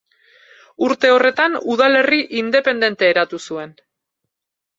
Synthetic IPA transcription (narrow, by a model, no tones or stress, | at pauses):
uɾt̪e̞o̞re̞t̪anuðale̞riʔind̪e̞pe̞nd̪e̞nt̪e̞ːɾat̪usue̞n